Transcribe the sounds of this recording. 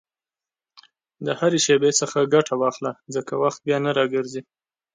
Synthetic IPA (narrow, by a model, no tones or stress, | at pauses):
d̪əhaɾeʃebesəxaɡaʈʰawɑxlazəkawaxt̪̚bjɑnaɾɑɡəɾzi